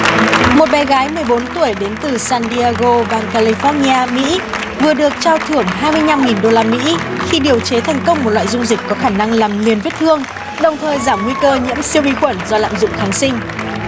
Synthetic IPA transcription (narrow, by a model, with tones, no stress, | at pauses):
mo˨˩t̚ɓɛ˨˩ɣaː˨˦jmɨ˨˩əjɓo˨˦nt̪u˧˩əjɗe˨˦nt̪ɨ˨˩saː˧nɗi˧aː˧ɣo˧vaː˨˩ŋkaː˧li˧fɔ˧ni˧aː˧mḭ˧˥ | vɨ˨˩əɗɨ˨˩ək̚t͡ɕɔː˧wt̪ʰɨ˧˩əŋɦaː˧jmɨ˧əjɲa˧mŋi˨˩nɗo˧laː˧mḭ˧˥ | xi˧ɗi˨˩əwt͡ɕe˨˦t̪ʰɛ˨˩jŋ̟kə˧wŋ͡mmo˨˩la̰ː˧˨zʊ˧ŋ͡mzï˨˩k̟kɔ˨˦xaː˧˩na˧ŋlaː˨˩mli˨˩ənvi˦˥t̚t̪ʰɨ˧əŋ | ɗə˨˩wŋ͡mt̪ʰəː˨˩jzaː˧˩mŋwi˧kəː˧ɲɨ̰˧˥əmsi˧əwvi˧xwə˧˩nzɔ˧la̰ː˧˨mzʊ̰˧˨ŋ͡mxaː˨˦ŋsï˧ŋ̟